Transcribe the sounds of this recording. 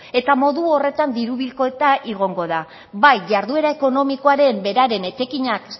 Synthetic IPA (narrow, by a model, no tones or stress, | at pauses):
e̞t̪amo̞ðuo̞re̞t̪and̪iɾuβilko̞et̪aʔiɣ̞o̞ŋɡo̞ða | bajʝaɾðue̞ɾaeko̞no̞miko̞aɾe̞mbe̞ɾaɾe̞ne̞t͡ʃ̪e̞kiɲak